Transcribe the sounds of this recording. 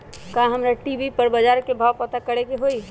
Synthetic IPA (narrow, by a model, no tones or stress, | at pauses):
kãɦəmɾaʈibipəɾbəd͡ʒaːɾkebʱaːwpət̪akəɽekeɦoi